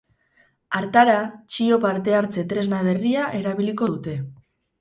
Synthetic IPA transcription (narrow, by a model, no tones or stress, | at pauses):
aɾt̪aɾat͡ʃio̞paɾt̪e̞aɾt͡se̞t̪ɾe̞znaβe̞riaʔe̞ɾaβiliko̞ðut̪e̞